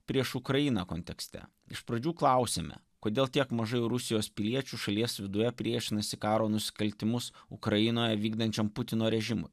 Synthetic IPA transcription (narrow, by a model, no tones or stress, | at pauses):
pʲɾʲiɛʃʊkɾɐjɪnɐːkonʲt̪ʲɛksʲt̪ʲɛ̰ | ɪʃpɾɐd͡ʒʲuːklˠɐˑʊsʲeːmʲɛ̰ | koːd̪ʲeːlˠt̪ʲiɛkmɐʒɐɪʊɾʊsʲɪjoːspʲɪlʲiɛt͡ʃʲuːʃɐlʲiɛsʋʲɪd̪ʊjɛpʲɾʲiɛʃʲɪnɐsʲɪkɑːɾoːnʊsʲɪ̥kɐlʲt̪ʲɪmʊsʊkɾɐjɪnoːjɛʋʲiːɡd̪ɐnʲt͡ʃʲɛmpʊt̪ʲɪnoːɾʲɛʒʲɪmʊ̰ɪ